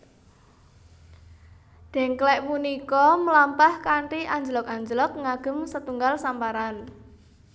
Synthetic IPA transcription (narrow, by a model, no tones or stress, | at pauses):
d̪̥ɛ̤ŋklɛʔmunikɔməlampahkaɳʈiʔaɲd͡ʒəlɔk̚aɲd͡ʒəlɔk̚ŋaɡ̥ə̤msət̪uŋɡalsampaɾan